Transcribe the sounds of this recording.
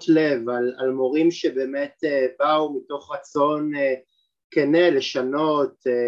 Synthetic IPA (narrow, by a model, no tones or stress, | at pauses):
tlevalalmo̞ʁimʃebe̞ːmetebaumito̞χʁat͡so̞ne | kenele̞ʃano̞t